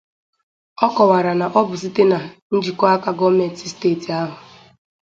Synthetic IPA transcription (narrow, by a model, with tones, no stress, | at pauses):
ɔ˦kɔ˨wa˨ɾa˨na˨ʔɔ˦bʊ˨s̬i˦te˦na˨n̩˦d͡ʒi˨kɔ˦a˦ka˦ɡɔ˦me˨n˦ti˦ste˦˨ti˨a˦ɦʊ˨